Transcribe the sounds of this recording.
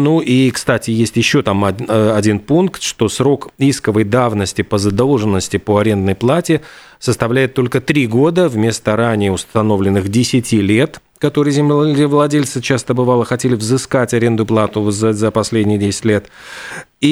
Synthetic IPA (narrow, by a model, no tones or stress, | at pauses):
nuʔikst̪atʲɪjesʲtʲjɪɕːo̞t̪amɐdʲinpunkt̪ʂt̪o̞sɾo̞kiskəvəjd̪avnəsʲtʲɪpəzəd̪o̞lˠʐɨnːəsʲtʲɪpo̞ɐɾʲe̞nd̪nəjplˠatʲɪ | səst̪ɐvlʲæjɪt̪ːo̞lʲkət̪ɾʲiɡo̞d̪əvmʲe̞st̪əɾanʲɪəʊst̪ɐno̞vlʲɪnːɨxdʲɪsʲɪtʲilʲe̞t̪ | kɐt̪o̞ɾɨjzʲɪmlʲɪvlˠɐdʲelʲt̪sɨt͡ɕast̪əbɨvalˠəxɐtʲelʲɪvzɨskatʲɐɾʲe̞nd̪ʊplˠat̪ʊzəzəpɐsʲlʲedʲnʲɪjədʲesʲɪ̥tʲlʲe̞t̪ | i